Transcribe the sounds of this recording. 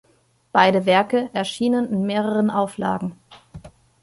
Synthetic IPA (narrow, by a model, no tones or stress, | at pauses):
b̥aɪdəvɛɐkəʔɛɐʃiːnənɪnmeːʁ̞əʁ̞ənʔaʊfla̰ːɡŋ̩